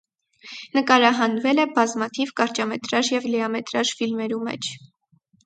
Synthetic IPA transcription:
nəkɑɾɑɦɑnvɛlɛbɑzmɑt̪ʰivkɑɾt͡ʃɑmɛt̪ɾɑʒjɛvlɛɑmɛt̪ɾɑʒfilmɛɾumɛ̰t͡ʃʰ

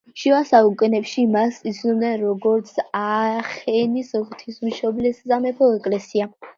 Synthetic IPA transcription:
ʃivasaukʼɛnɛpʃimasit̪sʰnɔbnɛnɾɔɡɔɾt̪sʰaχɛnisɔχt̪ʰismʃɔblɛszamɛpʰɔɛkʼlɛsia

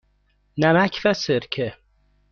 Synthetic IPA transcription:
næmækʰfæseɾkʲʰe

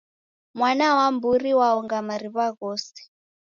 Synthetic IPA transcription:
mwanawamburiwaɔŋɡamaɾiβaɣɔːsi̥

